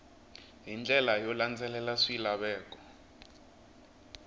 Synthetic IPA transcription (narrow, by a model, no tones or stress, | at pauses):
ɦind͡ɮʱʼɛlajɔland͡zʱɛlɛlaʂilaɓɛːkʼɔ̥